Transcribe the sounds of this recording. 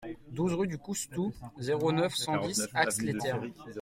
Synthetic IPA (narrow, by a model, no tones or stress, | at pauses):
d̪uzʁyd̪ykust̪uzeʁonœfsɑ̃d̪isakslet̪ɛʁ